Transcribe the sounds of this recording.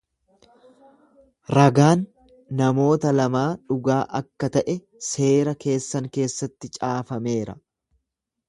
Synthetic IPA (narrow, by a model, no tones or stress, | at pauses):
ɾɐɡaːnː | ɐmo̞ːt̪ɐlɐmaːᶑʊɡaːʔɐkːɐt̪ɐʔɛ | se̞ːɾɐke̞ːsːɐŋke̞ːsːɐt̪ːɪt͡ʃʼaːfɐme̞ːɾɐ